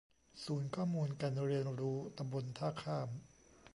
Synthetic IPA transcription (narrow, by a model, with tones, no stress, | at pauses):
suː˩˦nkʰɔː˥˩muː˧nka˧nɾi˧ənɾuː˦˥t̪a˧mbo˧nt̪ʰaː˥˩kʰaː˥˩m